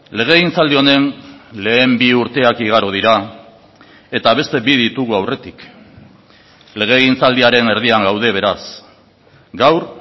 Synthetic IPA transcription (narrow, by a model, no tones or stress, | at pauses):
le̞ɣ̞e̞ɣint͡sald̪io̞ne̞nle̞ːmbiuɾt̪e̞akiɣ̞aɾoð̞iɾa | e̞t̪aβ̞e̞st̪e̞biðit̪uɣuawre̞t̪ik | le̞ɣ̞e̞ɣint͡sald̪iaɾe̞ne̞ɾðiaŋɡawðe̞β̞e̞ɾas | ɡawɾ